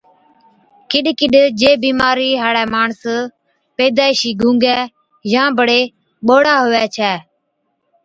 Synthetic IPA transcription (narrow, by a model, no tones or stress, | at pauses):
kɪɗkɪɗd͡ʒeːbiːmaːɾiːɦaːɽɛːmaːɳs | peːd̪aːɪʃiːɡʱũːŋɡɛː | jãːbəɽeː | ɓoːɽaːɦoːʋɛːt͡ʃʰɛː